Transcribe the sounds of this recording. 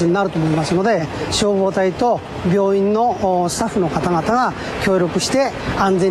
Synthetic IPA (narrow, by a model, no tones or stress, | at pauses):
iɲ̟inaɾɯ̟t̪omo̞imasɨno̞d̪e̞ɕo̞ːβo̞ːt̪ait̪o̞ | bʲjo̞ːĩnːo̞sɨ̥t̪aɸːɯ̟no̞kat̪aɡat̪aɡa | kʲo̞ːɾʲo̞kɯ̟ɕi̥t̪e̞ | ãnd͡zẽ̞